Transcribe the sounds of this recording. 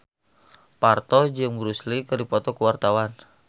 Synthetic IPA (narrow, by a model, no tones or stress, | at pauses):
part̪ɔd͡ʒɨŋbəɾuslikərdipɔt̪ɔkəwart̪awan